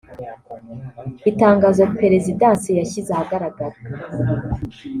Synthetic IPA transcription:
itaːŋɡaːzope̞ɾe̞zidãːnsejaçizahaɡaɾaɡaɾa

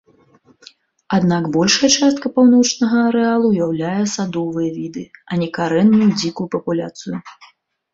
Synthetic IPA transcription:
ad̪naɡbɔlʲʂɐjɛt͡ʂast̪̚kɐpawnɔt͡ʂnɐɣɐɐɾɛalˠuːjawlʲajɛsad̪ɔvɨjɐvʲid̪ɨɐnʲɛkaɾɛnːujud͡zʲikujupɐpulʲa̰t̪sɨju

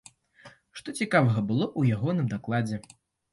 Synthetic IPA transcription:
ʂt̪ɔt͡sʲikavɐɣɐbɨlˠɔʔujaɣɔnɨmd̪aklˠad͡zʲɛ

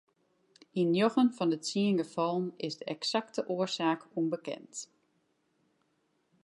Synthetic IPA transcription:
injoɣənfɔndəsiəŋɡəfɔlˠnɪzdəɛksaktəʔoərsaːkunbəkɛ̰nt

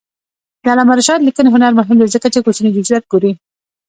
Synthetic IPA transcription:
d̪əalɑmaɾaʃɑt̪likəneɦʊnaɾmʊɦɪmd̪aɾizəkat͡ʃekot͡ʃəned͡ʒʊzjat̪̚ɡoɾi

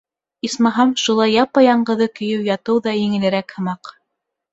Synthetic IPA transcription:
ismɑɦɑmʃulˠɑjɑpːɑjɑɴɢɤ̆ðɤkɵ̆jɵwjɑt̪ɤwðɑjɘ̆ŋɘ̆lɘ̆ɾækhɤ̆mɑq

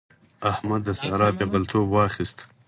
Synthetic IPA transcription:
ahmad̪ːəsaɾɑːpebalt̪ʰoːbwɑːχist̪

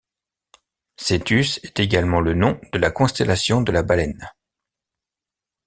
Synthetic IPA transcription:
set̪ysɛt̪eɡalmɑ̃lənɔ̃d̪̥əlakɔ̃st̪ɛlasjɔ̃d̪əlabalɛn

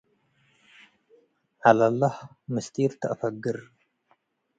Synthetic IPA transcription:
ʕalɐlːɐħmɨst̪ʰiɾt̪ʰɐʔɐfɐɡːɨɾ

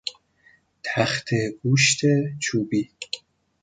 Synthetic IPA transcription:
t̪ʰaχt̪ʰeɡuʃt̪ʰet͡ʃʰuːbi

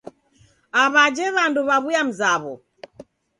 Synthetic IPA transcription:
aβad͡ʒɛβanduβaβujam̩zaβɔ

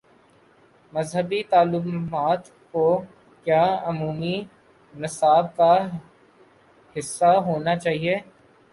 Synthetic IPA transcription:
mɐzɦəbit̪aːlʊmmaːt̪ | ko | kjaːʊmuːmi | nɪsaːb̚ka | hɪsːaɦoːnat͡ʃaːɦieː

